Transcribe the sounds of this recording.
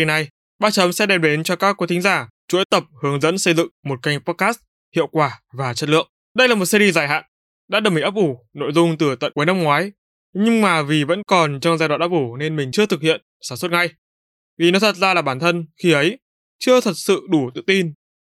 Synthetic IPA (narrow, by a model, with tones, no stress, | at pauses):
i˧na˧˩j | ɓaː˧t͡ɕə˨˦msɛ̰˧˥ɗɛ˨˩m̚ɗe˨˦nt͡ɕɔ˧kaː˦˥kːu˨˦jt̪ʰŋ̟zaː˧˩ | t͡ɕu˨˧˥ʔə˦jt̪ə˨˩p̚hɨ˨˦əŋzə̰˧˥nsə˧jzɨ̰˧˨ŋmo˨˩t̚ka˧jŋpɔ˦˥t̚kaː˦˥s̚ | hḭ˧˨əwkwaː˧˩vaː˨˩t͡ɕə˦˥t̚lɨ̰˧˨əŋ | ɗə˧jlaː˨˩mo˨˩t̚si˧zi˧˩zaː˧˩jɦa̰ː˧˨n | ɗa̰ː˧˥ɗə˨˩mi˨˩ʔaː˦˥p̚ʔu˧˩no̰˧˨jzʊ˧ŋ͡mt̪ɨ˨˩t̪ə̰˧˨ku˨˦jna˧mŋwaː˨˦j | ɲɨ˧ŋmaː˨˩vi˨˩və̰˧˥nkɔ˨˩nt͡ɕɔ˧wŋ͡mzaː˧jwaː˧˨nʔaː˦˥pʔu˧˩ne˧nmï˨˩ŋ̟t͡ɕɨ˧ət̪ʰɨ˨k̚hḭ˧˨ənsaː˧˩mswə˦˥t̚ŋa˧˩j | vi˨˩nɔ˨˦t̪ʰə˨˩t̚zaː˧laː˨˩ɓaː˧˩nt̪ʰə˧nxi˧ʔə˨˦j | t͡ɕɨ˧ət̪ʰə˨˩t̚sɨ̰˧˨ɗu˧˩t̪ɨ̰˧˨t̪i˧n